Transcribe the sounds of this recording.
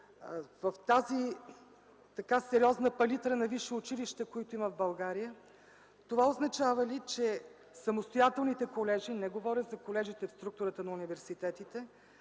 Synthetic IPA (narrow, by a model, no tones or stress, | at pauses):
vəft̪azi | t̪ɐkasɛɾʲiɔznəpɐlit̪ɾənɐviʃɛʊt͡ʃiliʃt̪ɛkoit̪ʊiməvbɐlˠɡaɾijə | t̪ovaoznɐt͡ʃavəlit͡ʃɛ | sɐmost̪ojat̪ɛlˠnit̪ɛkolɛʒinɛɡovɔɾʲət̪zɐkolɛʒit̪ɛfst̪ɾuk̚t̪ʊɾət̪ənɐunivɛɾsit̪ɛt̪it̪ɛ